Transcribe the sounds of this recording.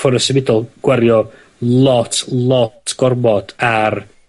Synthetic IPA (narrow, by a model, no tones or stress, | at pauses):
fɔɾəsɛvɪdɔlˠɡ̥wɛɾjɔ | lˠɔtʰlˠɔtʰɡ̥ɔrbɔd̥ar